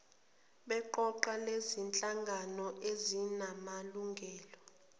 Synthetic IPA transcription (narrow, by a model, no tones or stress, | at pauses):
ɓɛǃɔǃalezint͡ɬʼaŋɡʱanɔezinamaluŋɡʱɛːlɔ